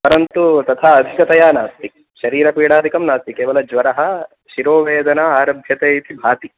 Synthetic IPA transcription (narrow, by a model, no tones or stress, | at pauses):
pɐɾɐnt̪ut̪ɐt̪ʰaːɐd̪ʱikɐt̪ɐjaːnaːst̪ik̚ | ʃɐɾiːɾɐpiːɽaːd̪ʱikɐmnaːst̪ikeːʋɐlɐd͡ʒʋɐɾɐɦɐ | ʃiɾoːʋeːd̪ɐnaaːɾɐbʱjɐt̪eːit̪ibʱaːt̪i